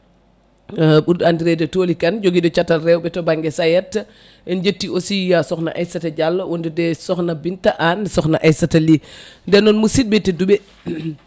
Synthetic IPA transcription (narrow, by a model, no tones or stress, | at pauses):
ɓuɾdandiɾɛdɛtoːlikɐnd͡ʒoɡidɔt͡ʃatːalɾɛwbɛtɔbaŋɡɛsajɛtː | ɛnd͡ʒetːiosijasɔxna̰ʔajsatɐɟalːɐwɔndudɛsɔxnabintaʔansɔxna̰ʔajsatalindɛnɔnmusit̚bɛtɛdubɛ